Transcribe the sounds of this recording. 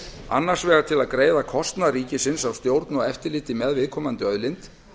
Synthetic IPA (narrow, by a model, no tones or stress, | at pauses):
a̰nːaɾ̥svɛːɣaɾt̪ʰɪlaðkɾeːjðakʰɔst̪naɾiːcɪsɪnsawst̪jowɾt̪nɔɣɛft̪ɪlɪht̪ɪmɛðvɪðkʰɔːmant̪ʏœðlɪnt̪